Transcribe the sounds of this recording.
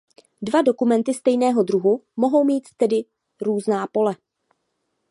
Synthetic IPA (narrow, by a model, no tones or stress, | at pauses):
dvado̞kumɛnt̪ɪst̪ɛjnɛːɦo̞dɾuɦumo̞ɦo̞wmiːt̪ːɛdɪ | ɾuːznaːpo̞lɛ